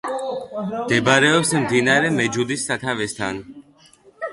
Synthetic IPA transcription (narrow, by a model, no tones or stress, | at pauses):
md̪̥ɛbɾɛɔpsmd̪inaɾɛmɛd͡ʒud̪isːat̪ʰavɛst̪ʰan